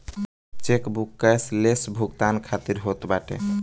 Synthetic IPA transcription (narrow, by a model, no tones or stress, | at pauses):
t͡ʃekbʱukːəslesbʱuɡt̪ankʰat̪iɾɦot̪baʈḛ